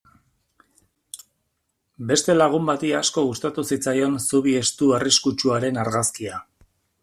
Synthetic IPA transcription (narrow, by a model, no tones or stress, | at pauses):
be̞st̪e̞laɣ̞umbat̪iasko̞ɣust̪at̪usit͡sajo̞nsuβ̞ie̞st̪uariskut͡ʃuaɾe̞naɾɣaskia